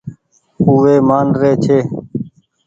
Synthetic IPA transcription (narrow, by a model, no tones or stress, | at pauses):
uːʋeːmaːnɾeːt͡ʃʰeː